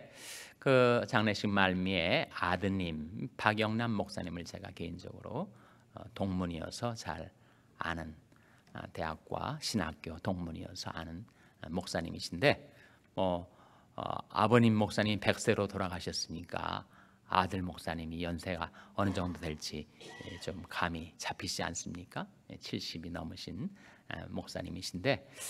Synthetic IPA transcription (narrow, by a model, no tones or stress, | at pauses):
kɯt͡ɕaŋneɕʰimaɭmie̞adɯɲimpaɡjʌŋnammok̚s͈aɲimɯɭt͡ɕe̞ɡa̰keind͡ʑʌ̰ɡɯɾo̰ | toŋmuɲiʌ̰sʰʌt͡ɕa̰ɾ | a̰nɯn | te̞ak̚k͈wa̰ɕʰina̰k̚k͈jotoŋmuɲiʌ̰sʰʌanɯn | mok̚s͈aɲḭmiɕʰinde̞ | mʌ | a̰bʌɲimːok̚s͈aɲimpe̞k̚s͈e̞ɾotoɾaɡaɕʰʌs͈ɯmɲik͈a̰ | a̰dɯɭmok̚s͈aɲimijʌnsʰe̞ɡaʌnɯd͡ʑʌŋdodtwe̞ɭt͡ɕ͈ʰit͡ɕomkamit͡ɕapʰit͡ɕia̰ns͈ɯmɲik͈a | et͡ɕʰiɭɕ͈ibinʌmɯɕʰin | mok̚s͈aɲḭmiɕʰinde̞